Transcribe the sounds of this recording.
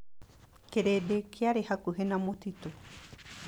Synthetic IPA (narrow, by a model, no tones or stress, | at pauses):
keɾedekʰaɾehakuɦenãmõt̪it̪u